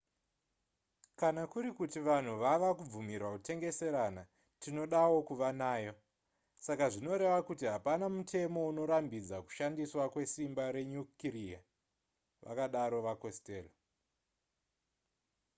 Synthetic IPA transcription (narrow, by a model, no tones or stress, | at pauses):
kanakuɾikutiʋan̤uʋaʋakub͡vumirwakute̞ŋɡe̞se̞ɾana | tino̞ɗawo̞kuʋanaːjo̞ | sakaʐino̞ɾe̞ʋakutiɦapanamutʰe̞mo̞uno̞ɾambid͡zaku̥ʃandiswakwe̞simbaɾe̞ɲukiria | ʋʔa̰kaɗaɾo̞ʋakosteːlo